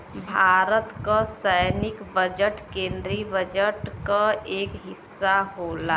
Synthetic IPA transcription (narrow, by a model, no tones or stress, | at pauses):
bʱaːɾət̪kasəjnɪkbəd͡ʒəʈkẽːnd̪ɾibəd͡ʒəʈkaeːkɦɪsːaɦoːlaː